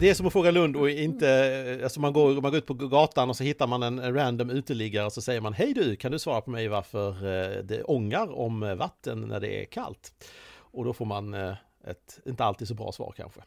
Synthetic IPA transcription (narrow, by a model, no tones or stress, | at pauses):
d̪ɛæʂɔmɔfɾoːɡalɵnd̪ɔɪnt̪əalsɔmanɡoːɾmanɡoːʉt̪̚pʰɔɡɑːt̪anɔsɔhɪt̪ːaɾmanɛnɾænd̪ɔmʉ̟ːt̪əɭlɪɡːaɾəɔsɔsɛjːəɾmanɦɛjd̪ʉkʰand̪ɵsvɑːɾapʰɔmɛjvaɾfœɾd̪ɛ̰ʔɔŋːaɾɔ̰mvat̪ʰːənnʔæ̰ɖɛ̰æ̰ɾkʰa̰lt̪ɔd̪ɔfoːɾman | ɛ̰t̪ɪnt̪əalt̪iːd̪sɔbɾɑ̰ːsvɑ̰ːɾkʰa̰nɧə